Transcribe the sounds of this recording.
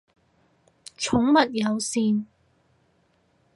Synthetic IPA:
t͡ʃʰʊ˨˥ŋmɐ˨t̚jɐ˨˧wsiː˨˧n

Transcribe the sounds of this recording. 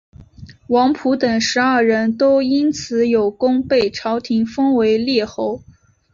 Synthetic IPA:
wɑ˧˥ŋpʰu˧˥t̪ɤ˨˩ŋʂɻ̩˧˥ɐ˞˥˩ɻə˧˥nt̪o˥ʊi˥nt͡sʰɹ̩˧˥jo˨˩ʊkʊ˥ŋpe˥˩ɪʈ͡ʂʰɑ˧˥ʊt̪ʰi˧˥ŋfɤ˥ŋwe˧˥ɪljɛ˥˩xo˧˥ʊ

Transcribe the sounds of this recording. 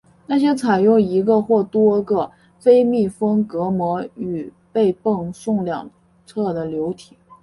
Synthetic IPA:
na˥˩ɕ̬jɛ˥t͡sʰa˨˩ɪjʊ˥˩ŋi˧˥ɡə˧xwɔ˥˩t̪wɔ˥ɡə˧ | fe˥ɪmi˥˩fɤ˥ŋkɤ˧˥mwɔ˧˥y˨˩ | pe˥˧ɪpɤ˥˩ŋʂʊ˥˧ŋljɑ̰˨˩ŋ | t͡sʰɤ˥˩d̪ə˩ljo˧˥ʊt̪ʰi̥˨˩˦

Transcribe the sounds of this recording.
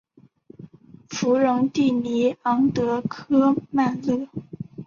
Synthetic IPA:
fu˧˥ɻʊ˧˥ŋt̪i˥˩ni˧˥ɑ˧˥ŋt̪ɤ˧˥kʰɤ˥ma˥˧nlɤ˥˩

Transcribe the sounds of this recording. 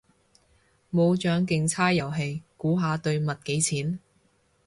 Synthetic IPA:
mo˨˧wt͡ʃœː˨˥ŋkɪ˨ŋt͡sʰaː˥jjɐ˨˩wɦe˨˧jkuː˨˥ɦaː˨˧t̪ɵ˧ɥmɐ˨t̚ke˨˥jt͡sʰiː˨˥n

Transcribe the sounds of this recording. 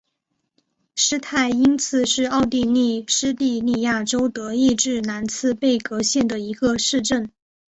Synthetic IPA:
ʂɻ̩˥t̪ʰa˥˩ɪi˥nt͡sʰɹ̩˧ʂɻ̩˥˧ɑ˥˧ʊt̪i˥˧ni˥˩ʂɻ̩˥t̪i˥˧ni˥˧ja˥˩ʈ͡ʂo˥ʊt̪ɤ˧˥i˥˧ʈ͡ʂɻ̩˥˩na˧˥nt͡sʰɹ̩˥˧pe˥˩ɪkɤ˧˥ɕjɛ˥˩nd̪ə˩i˧˥ɡə˧ʂɻ̩˥˧ʈ͡ʂə˥˩n

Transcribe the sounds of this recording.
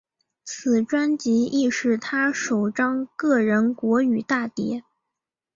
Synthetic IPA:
t͡s̩ʰ˨˩ʈ͡ʂwa˥nt͡ɕi˧˥i˥˧ʂɻ̩˥˩t̪ʰa˥ʂo˨˩ʊʈ͡ʂɑ˥ŋkɤ˥˩ɻə˧˥nkwɔ˧˥y˨˩t̪a˥˩t̪jɛ˧˥

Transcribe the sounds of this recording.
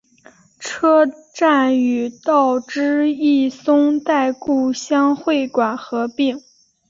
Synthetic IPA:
ʈ͡ʂʰɤ˥ʈ͡ʂa˥˩ny˨˩t̪ɑ˥˩ʊʈ͡ʂɻ̩˥i˥˩sʊ˥ŋt̪a˥˧ɪku˥˩ɕjɑ˥ŋxwe˥˩ɪkwa˨˩nxɤ˧˥pi˥˩ŋ

